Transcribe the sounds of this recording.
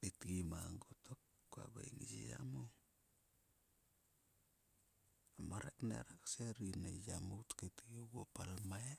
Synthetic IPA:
etɡimaŋɡotokː | oa̰ba̰jŋid͡ʒija̰mu | amaɾaknḛɾakseɾinad͡ʒamutketɡioɡopalamae

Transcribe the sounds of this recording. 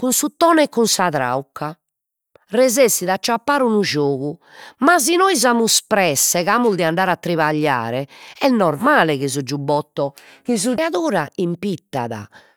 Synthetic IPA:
kunsut̪ɔːnɛkːunsaðɾa̰ukːa | rɛzesiðat͡ʃːapːaːɾunuʒoːɣu | mazinɔjzamuspɾɛsːɛɣaːmuld̪ɛaɳɖaːɾat̪ːɾiβaʎːa̰ːɾɛɛnɔɾmaːlɛɣizud͡ʒubɔt̪ːɔ | kizuaðuːɾaimpit̪ːa̰ða̰

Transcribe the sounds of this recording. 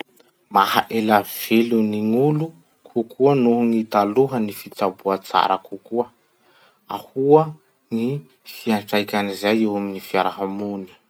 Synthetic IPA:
mahaʔelav̥eluniŋulu | kʰukʰuənuɦŋit̪aluɦənifit͡sabuat͡sa̰ɾʔə̰kukuə | ahuə | ŋi | fiaɳʈ͡ʂajkʲanizajewaminifiaɾaɦamuni̥

